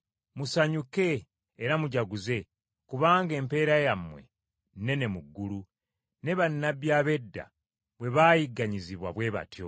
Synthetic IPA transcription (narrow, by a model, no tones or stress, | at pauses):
musaɲuke̞ː | ɾamuɟaɡuze̞ | kuβaːŋɡe̞ːmpe̞ːɾajamwe̞̰ | ne̞ne̞muɡːulu | ne̞βanːabjaːβe̞dːa̰ | βwe̞βaːjiɡːaɲiziβwaβwe̞ːβa̰tʰjo